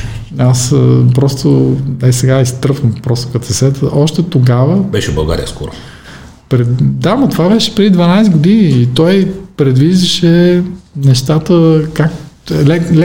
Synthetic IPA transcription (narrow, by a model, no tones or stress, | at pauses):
aspɾɔst̪onɛisɛɡaist̪ɾɤfəmpɾɔst̪o̥kɐt̪ɛsɛt̪əʔɔʃt̪ɛt̪oɡavəbɛʃɛbɐlˠɡa̰ɾḭə̰skɔ̰ɾo̰ | pɾɛd̪amɐt̪ovabɛʃɛ̥pɾɛd̪id̪vɐnajsɛɡod̪iniːt̪ɔjpɾɛd̪viʒd̪əʃɛnɛʃt̪at̪əkaklɛl